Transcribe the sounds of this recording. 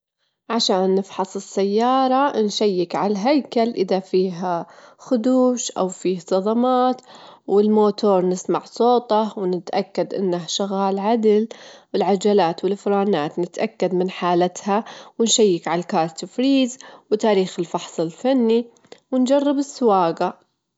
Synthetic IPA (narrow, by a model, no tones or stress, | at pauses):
ʕaʃaːnːɪfħɑsˤɨsːajːɑːɾˤɑnʃajːɪkʕalɦajkalʔɪðafiːɦaxʊd̪uːʃʔa̰wfiːhsˤɑðˤɑmɑːt̪wɪlmoːt̪oːɾˤnɪsmaʕsˤoːt̪ˤɑwɪnɪt̪ʔakːad̪ʔɪ̰nːahʃaɣaːlʕad̪ɪlwɪlʕad͡ʒalaːt̪wɪlfɾˤɑːnaːt̪nɪt̪ʔakːad̪mɪnħaːlat̪hawɪnʃajːɪkʕalkɑːɾˤt̪ɪfɾiːzwɪt̪aːɾiːxɪlfɑħsˤɪlfanːi | wɪnd͡ʒɑrˤːɪbɪsːwaːɡa